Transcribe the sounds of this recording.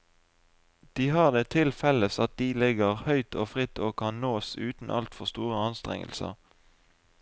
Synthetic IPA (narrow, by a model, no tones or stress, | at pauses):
d̪̥iːɦɑːʁd̪eːt̪ʰɪlfɛləsɑt̪̚d̪̥iːlɪɡəʁhœʏt̪ʰoːfʁɪt̪ʰoːkʰɑnnoːsʉːt̪n̩ʔɑ̰lt̪fɔʁst̪uːʁəɑnst̪ʁɛ̰ŋə̰lsə̰ʁ